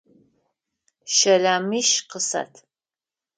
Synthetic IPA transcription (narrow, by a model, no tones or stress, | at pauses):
ʃɐlaːmiːʃqəsa̰tʰ